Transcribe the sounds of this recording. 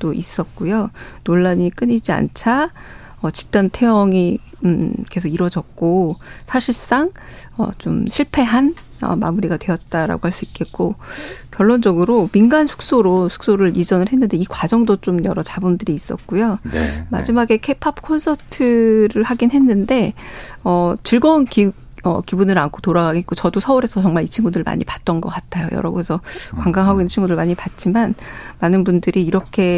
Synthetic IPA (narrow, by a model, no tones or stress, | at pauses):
t͈ois͈ʌt̚k͈ujonoɭːaɲik͈ɯɲid͡ʑia̰nt͡ɕʰa | ʌt͡ɕi̥p̚t͈antʰe̞jʌŋi | ke̞sʰoɡiɾwʌd͡ʑʌk̚k͈osʰaɕʰiɭs͈aŋ | ʌ̰t͡ɕomɕʰiɭpʰe̞ɦan | ʌ̰ma̰muɾiɡadwe̞ʌt̚t͈aɾa̰ɡohaɭs͈uik͈e̞t̚k͈okjʌɭːond͡ʑʌɡɯɾominɡansʰu̥k̚s͈oɾosʰu̥k̚s͈oɾɯɾid͡ʑʌnɯɭɦe̞nːɯnde̞ikwad͡ʑʌŋdot͡ɕ͈omjʌ̰ɾʌt͡ɕabundɯɾiːs͈ʌ̰t̚k͈ujoema̰d͡ʑimaɡe̞kʰe̞pʰapkʰonsʰʌtʰɯɾɯɭhaɡinɦe̞nːɯnde̞ʌt͡ɕɯɭɡʌunki | ʌ̰kibunɯɾankʰotoɾaɡaɡek͈ot͡ɕʌdosʰʌuɾe̞sʰʌt͡ɕʌŋmaɭit͡ɕʰiŋɡudɯɭma̰ɲipat̚t͈ʌnɡʌk͈atʰajo̰jʌ̰ɾʌɡoesʰʌkwaŋɡaŋɦaɡoinːt͡ɕʰinŋɡuɾɯɭmaɲipat̚t͡ɕ͈imanmanɯnbundɯɾiːɾʌkʰe̞